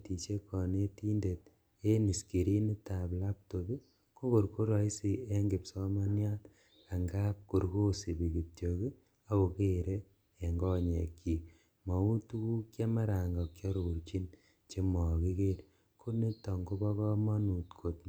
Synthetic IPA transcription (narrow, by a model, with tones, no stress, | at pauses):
ti˨t͡ʃe˦kʰɔ˨ne˦ti˦nde˨t̚ | e˦ni˨ski˨ɾi˦ni˦ta˨pla˦p̚to˨bi˦ | ko˦ko˨ɾko˦ɾɔ˨i˦si˨e˦ŋɡɪ˨psɔ˦ma˦nja˦t | a˨ŋɡa˦p̚ko˨ɾko˦si˨bi˨ki˨p̚tjo˨ki˦ | a˦o˨ke˦˨ɾeː˦˨ | ŋɡɔ˦ɲe˨kːi˨k̚ | mɔ˨u˦tu˦ku˦kja˦ma˦ɾa˨ŋɡɔ˨kt͡ʃɔ˦ɾo˨ku˨ɾt͡ʃi˦n | t͡ʃe˦mɔ˨ki˦ke˦n | kʰo˦ni˦tɔ˨ŋɡo˦bɔ˦kɔ˦ma˦nu˨tkʰo˨t̚